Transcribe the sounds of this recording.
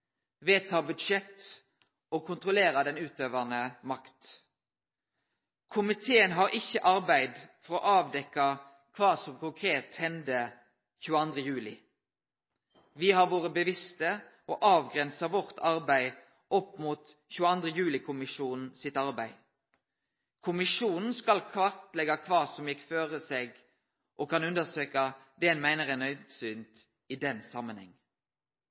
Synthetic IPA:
ʋeːt̪ʰɑːbʉd̪ʂɛt̪ | oːkʰʊnt̪ʁʊleːʁɑd̪ɛnʉːt̪øːʋənəmɑkt̪ | kʰʊmɪt̪ʰeːənɦɑːʁɪçːəʔɑʁbæɪd̪fɔʁɔːʔɑːʋd̪ɛkːɑ | kʰʋɑːsɔmkʊŋkʰʁeːt̪hɛnd̪ə | çʉːəɑnd̪ʁəjʉːlɪ | ʋɪhɑʁʋoːʁəbəʋɪst̪ə | ɔʔɑːʋɡʁɛnsəʋɔʁt̪ʰɑʁbæɪ | ʔɔpːmuːt̪ | çʉːəɑnd̪ʁəjʉːlɪkʰʊmɪʂuːnn̩sɪt̪ɑʁbæɪ | kʰʊmɪʃʂuːnn̩skɑlkʰʋɑʁt̪lɛɡɑkʰʋɑːsɔmjɛkːføːʁəseːɡ | ʔɔkʰɑnʉnd̪əsøːkɑd̪ɛnmæɪnəʁɛnœʏsyːnt̪ | ɪd̪ɛnsɑmːənhɛ̰ŋː

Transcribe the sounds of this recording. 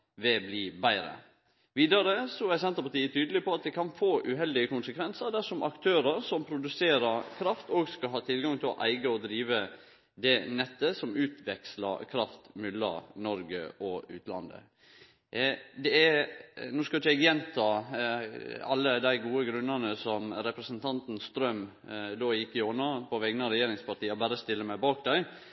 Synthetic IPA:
ʋɛblɪbæɪɾə̰ | ʋiːd̪ɑɾəsɔæɾsɛnt̪əpɑt̪iːət̪ʰyːd̪əlɪpɔɑt̪̚d̪ɛkʰɑnfoːʔʉɦɛld̪ɪəkʊnsəkʰʋɛnsəɾd̪æʂɔmʔɑ̰kt̪ʰøːɾəɾsɔmpʰɾʊd̪ʉseːɾəɾkʰɾɑft̪oːɡskɑlɦɑːt̪ʰɪlɡɑŋt̪ʰɪlɔ̰ʔæɪɡəɔd̪ɾiːʋə | d̪ɛnɛt̪ːəsɔmʉːt̪ʰʋɛkslə̰kʰɾɑft̪mʉlːɑ̰ɾnɔɾɡəɔʉ̰ːt̪lɑ̰nd̪ə̰ | d̪ɛæɾnuːskɑlɪt͡ʃːɛɡjɛnt̪ʰːɑ | ɑlːəd̪æɪɡuːəɡɾʉnːənəsɔmɾɛpɾəsənt̪ʰɑnt̪n̩st̪ɾœm | d̪oːjɪkːɪɔnɑpʰɔʋɛŋnɑɾɛjeːɾɪŋspɑʈiːɑbæːɾəst̪ɪlːəmæɪbɑːk̚d̪æɪ

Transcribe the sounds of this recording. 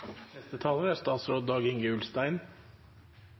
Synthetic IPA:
nɛst̪ət̪ʰɑːləɾæst̪ɑːt̪sɾoːd̪̚d̪ɑːɡɪŋɡəʉlst̪æɪn

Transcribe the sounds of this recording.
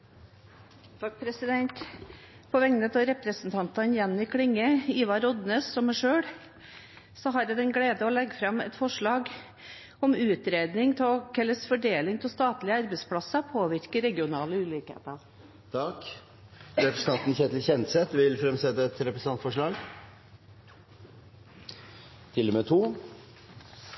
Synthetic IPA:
t̪ʰɑk̚pʰɾɛsɪd̪ɛnt̪ | pʰɔʋɛŋnət̪ʰɑɾɛpɾəsənt̪ʰɑnt̪ɑnjɛnːɪkʰɽɪŋːəiːʋɑɾɔd̪nøːssɔmːæʂøːɽ | sɔɦɑɾjɛd̪ɛnɡɽeːd̪əɔlɛɡːfɾɑmɛ̰t̪fɔʂɭɑːɡ | ɔmʉːt̪ɾeːd̪nɪŋt̪ʰkʰɛlːəsfɔɖeːlɪŋt̪ʰɔlst̪ɑːt̪lɪəɑɾbɛɪspʰɽɑsəpʰoːʋɪɾkəɾɛɡɪʊnɑːləʉːlɪkhḛːt̪ɑ | t̪ʰɑk | ɾɛpɾəst̪ɑnt̪nçɛːt̪l̩çɛnsɛt̪ʋɪlfɾɛmsɛt̪ːəɛt̪ɾɛpɾəs̩ɑnt̪fɔʂɭɑːɡ | t̪ʰɪlːɔmɛt̪ʰuː

